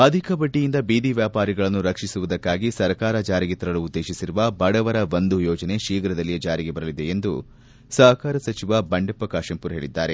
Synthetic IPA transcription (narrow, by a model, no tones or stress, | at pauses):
ɐd̪ʱikɐbɐʈːijind̪ɐbiːd̪iʋjaːpaːɾiɡɐɭɐnːuɾɐkʂisuʋud̪ɐkːaːɡisɐɾkaːɾɐd͡ʒaːɾiɡet̪ɐɾɐluːd̪ːe̞ːʃisiɾuʋɐbɐɽɐʋɐɾɐʋond̪ujɔːd͡ʒɐne̞ʃiːɡɐɾɐd̪ɐlːijed͡ʒaːɾiɡe̞bɐɾɐlid̪e̞end̪u | sɐɦɐkaːɾɐsɐt͡ʃiʋɐbɐɳɖɐpːɐkaːʃɐmpuɾɦe̞ːɭid̪ːaːɾe̞